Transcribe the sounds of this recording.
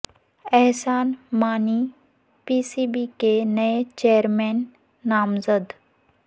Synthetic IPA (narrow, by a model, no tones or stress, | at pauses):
ɛɦsaːnmaːniː | piːsiːbiːkenɐet͡ʃeːəɾmɛːnː | aːmzəd̪